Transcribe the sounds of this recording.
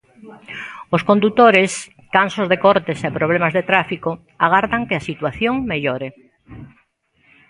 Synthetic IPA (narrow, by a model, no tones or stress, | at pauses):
oskond̪ut̪oɾes | kansozðekoɾt̪esepɾoβ̞lemazðet̪ɾafiko | aɣ̞aɾðaŋkɪasit̪waθjoŋmeʎoɾe